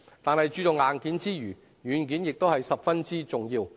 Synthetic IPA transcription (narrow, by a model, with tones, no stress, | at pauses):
t̪aː˨nhɐ˨jt͡ʃyː˧tʊ˨ŋaː˨nkiː˨˥nt͡siː˥jyː˨˩ | jyː˨˧nkiː˨˥njɪ˨k̚t̪o˥whɐ˨jsɐ˨p̚fɐ˥nt͡siː˥t͡sʊ˨ŋjiː˧w